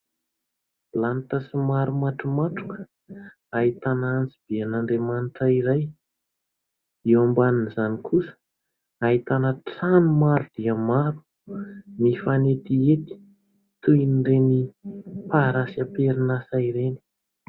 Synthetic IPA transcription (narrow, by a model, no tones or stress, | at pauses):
lant̪əsimaɾumaʈ͡ʂumaʈ͡ʂu̥kə̥ | aɦit̪anaant͡sib̥eanaɳɖ͡ʐemanʈ͡ʂaiɾaj | ewambaninzanikʰusə̥ | aɦit̪anəʈ͡ʂanumaɾud̪̥iəmaɾu̥ | nifanet̪iet̪i̥ | t̪uiniɖ͡ʐenipaɾasiapeɾinasaiɾeni̥